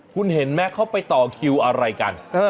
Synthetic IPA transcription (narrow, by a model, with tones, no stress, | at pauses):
kʰu˧nhe˩˦nmɛː˥˩kʰa˥˩wpa˧jt̪ɔː˨˩kʰi˧wʔa˧ɾa˧jka̰˧nʔaː˧˩